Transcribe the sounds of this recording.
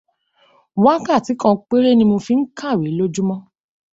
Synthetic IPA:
wa˦ka˦˨ti˨˦kɔ̃˧k͡pe˦ɾe˦nĩ˧mo˧fi˦˧n̩˦ka˦˨we˨˦lo˦d͡ʒu˦mɔ̃˦

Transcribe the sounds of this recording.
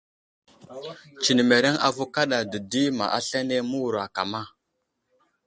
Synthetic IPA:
t͡ʃi˨ni˨me˨ɾe˦ŋa̰˨vu˦ka˦ɗa˨də˨di˦ma̰˨ʔa˦ɬa˦ne˦mu˦wu˨ɾa˨ka˨ma˦˨

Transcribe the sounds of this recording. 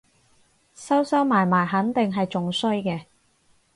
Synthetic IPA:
sɐ˥wsɐ˥wmaː˨˩jmaː˨˩jɦɐ˨˥nt̪ɪ˨ŋɦɐ˨jt͡sʊ˨ŋsɵ˥ɥkɛː˧

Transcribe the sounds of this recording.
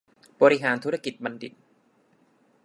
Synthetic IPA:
bɔː˧ɾi˦˥ɦaː˩˦nt̪ʰu˦˥ɾa˧ki˨˩t̪̚ba˧ndi˨˩t̪̚

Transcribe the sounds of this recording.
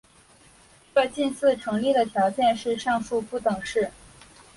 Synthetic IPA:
kə˥˧t͡ɕi˥˧nsɹ̩˥˩ʈ͡ʂʰɤ˧˥ŋli˥˩d̪ə˩t̪ʰjɑ˧˥ʊt͡ɕjɛ˥˧nʂɻ̩˥˧ʂɑ˥˧ŋfu˥˧pu˥˩t̪ɤ˨˩ŋʂɻ̩˥˩

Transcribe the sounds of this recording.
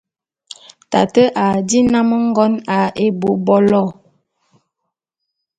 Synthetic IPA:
ta̰˨tə˦ʔa˨di˦na˦mə˦ŋ˦ɡɔ˦na˨ʔe˦bo˨˦bɔ˦lɔ˦˨

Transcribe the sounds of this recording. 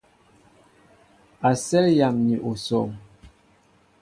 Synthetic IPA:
a˨sɛ˦lja˨mni˨ʔo˨sɔ˨ŋ

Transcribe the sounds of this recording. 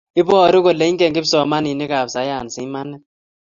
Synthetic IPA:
i˦bɔ˦˨ɾi˦k̬ɔ˦˨le˨˦i˦ŋkʼɛ˨ŋɡbi˦sɔ˨ma˦ni˨ni˦ka˨bsa˨˦ja˨n˨si˨i˦ma˦nɛ˦

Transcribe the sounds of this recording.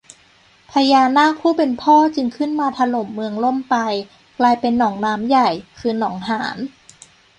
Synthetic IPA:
pʰa˧jaː˧nːaː˥˩kʰuː˥˩pe˧npʰɔː˥˩t͡ɕɯ˧ŋkʰɯ˥˩nmaː˧t̪ʰa˧lo˨˩˦mːɯ˧əŋlo˥˩˨mpa˧j | klaː˧jpe˧nːɔː˩˦ŋnaː˦˥mja˨˩jkʰɯː˧nɔː˩˦ŋɦaː˩˦n

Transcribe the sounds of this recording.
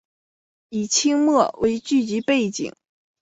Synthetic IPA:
i˨˩t͡ɕʰi˥ŋmɤ˥˩we˧˥ɪt͡ɕy˥˩t͡ɕi˧˥pe˥˩ɪt͡ɕḭ˨˩˦ŋ

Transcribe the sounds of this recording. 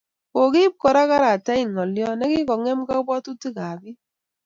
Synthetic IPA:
ko˨ki˦p̚kɔ˨ɾa˦ka˦ɾa˨ta˦i˨ŋɔ˨ljɔ˦nɛ˦ki˦kɔ˨ŋɛ˦mka˦bɔ˦tu˦ti˦ka˨bi˦

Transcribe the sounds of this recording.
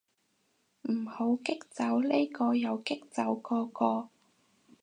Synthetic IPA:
m̩˨˩ho˨˥wkɪ˥k̚t͡sɐ˨˥wle˥kɔː˧jɐ˨˧wkɪ˥k̚t͡sɐ˨˥wkɔː˧kɔː˧

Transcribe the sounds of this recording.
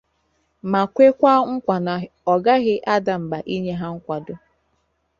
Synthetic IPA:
ma˨kʷe˦kʷa˦ŋ̩˦kʷa˨na˨ | ɔ˨ɡa˦ɣɪ˦ʔa˦da˨m̩˨ba˨ʔi˦ɲe˦ɦa˦ŋ̩˦kʷa˨dʊ˦

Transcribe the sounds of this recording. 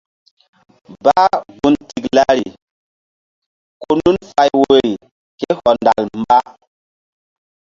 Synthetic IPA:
ba˦ɡu˨nti˨kla˦ɾi˨ | ko˦nu˦nfa˨jwoe˨ɾi˨ | ke˦hɔ˨nda̰˨lmba˦

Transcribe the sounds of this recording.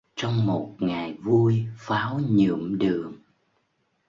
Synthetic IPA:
t͡ɕɔ˧wŋ͡mmo˨˩t̚ŋa˨˩jvu˧əjfaː˨˦wɲɨ̰˧˩əmɗɨ˨˩əŋ

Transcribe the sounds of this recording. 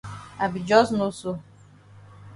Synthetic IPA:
a˨bi˨d͡ʒɔ˦snu˦su˦

